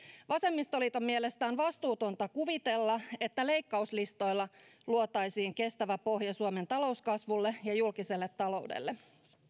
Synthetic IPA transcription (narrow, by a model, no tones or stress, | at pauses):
ʋɑse̞mːist̪o̞lit̪omːie̞le̞st̪æːnʋɑst̪uːt̪o̞nt̪ɑkuʋit̪e̞lːɑe̞t̪ːæle̞jkːɑuslist̪o̞jlːɑluot̪ɑjsiːŋke̞st̪æʋæpo̞ɦjɑsuome̞nt̪ɑlo̞uskɑsʋulːejɑjulkise̞lːet̪ːɑlo̞̰udḛlːe